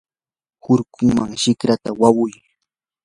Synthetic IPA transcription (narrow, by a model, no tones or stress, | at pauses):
hʊɾkʰʊŋmaŋʃɪkɾat̪awawʊj